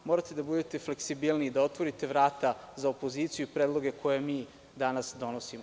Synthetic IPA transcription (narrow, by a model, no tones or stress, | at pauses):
moɾat̪e̞d̪abud̪e̞t̪e̞fle̞ksibilˠnid̪ao̞t̪ʋo̞ɾit̪e̞ʋɾaːt̪azaopo̞ziːt̪sijuipɾed̪lˠo̞ɡe̞kʰo̞jemiː | d̪anasd̪o̞nosim